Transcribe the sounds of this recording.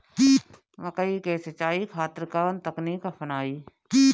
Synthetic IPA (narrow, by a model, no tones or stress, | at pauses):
kiː | ʋɐkəikeːset͡ʃaːikʰaːt̪ɾəkaːnt̪ɐknikafʰɐnaːiː | kiː